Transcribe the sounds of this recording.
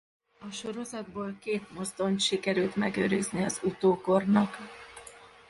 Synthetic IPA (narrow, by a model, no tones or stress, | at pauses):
ɒʃo̞ɾo̞zɒd̪boːlkeːt̪mo̞zd̪o̞nt̪ʃikɛɾylt̪mɛɡø̰ːɾizniɒzut̪oːko̞rnɒk